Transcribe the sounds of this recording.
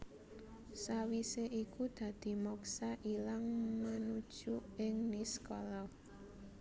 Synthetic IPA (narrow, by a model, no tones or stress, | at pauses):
sawiseʔikud̪̥ä̤d̪̥i̤mɔksaʔilaŋmanud̥ʒ̥uɪŋniskɔlɔ